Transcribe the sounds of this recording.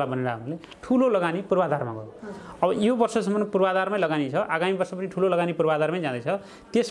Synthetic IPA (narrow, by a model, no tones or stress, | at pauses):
labʌneɾaɦʌɾule | ʈʰulolʌɡanipurbad̪arma̰ɡʌ̰ʌbʌjobʌrsʌsʌmːʌnpurbad̪armajlʌɡanit͡sʰʌʔaɡamibʌrsʌp̬ʌniʈʰulolʌɡanipurbad̪armajd͡zãd̪ʌjt͡sʰʌ | t̪es